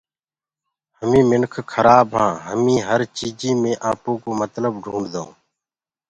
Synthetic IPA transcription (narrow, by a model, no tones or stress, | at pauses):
həmĩːmɪnkʰkʰəɾaːbɦãːɦəmĩːɦəɾt͡ʃiːd͡ʒiːmẽːʔaːpõːkoːmət̪ləbɖʱũːɳɖd̪õː